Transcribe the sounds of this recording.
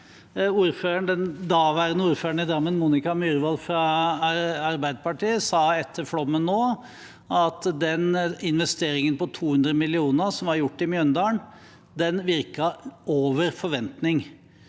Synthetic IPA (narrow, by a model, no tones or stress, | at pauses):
uːɾføːɾəɳd̪ɛnd̪ɑːʋæːɾənəuːɾføːɾəɳɪd̪ɾɑmːənmuːnɪkɑmyɾʋɑlfɾɑ | ɑɾbæɪd̪əpɑʈiːəsɑːɛt̪ʰːəɾfɽɔmːənːoː | ʔɑt̪d̪ɛnɪnʋɛst̪eːɾɪŋənpɔt̪ʰuːhʉnd̪ɾəmɪlɪuːnəsɔmʋɑɾjʊʈːɪmjœnd̪ɑːəɳ | d̪ɛnʋɪɾkɑoːʋəɾfɔɾʋɛnt̪nɪŋ